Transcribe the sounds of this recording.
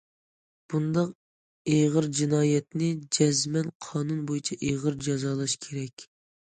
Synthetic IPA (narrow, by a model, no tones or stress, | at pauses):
b̥und̪ɑq | eʁəɾd͡ʒinɑːjɛt̪nɪd͡ʒɛzmɛnqʰɑːnunbojit͡ʃʰɛʔeʁəɾd͡ʒɑzɑːlˠɑʃkʲʰeɾɛkʲ